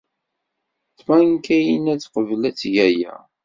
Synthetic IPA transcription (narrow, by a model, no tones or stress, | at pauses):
θmæŋkæjinæt͡sqəvlæt͡sːʝæjæ̰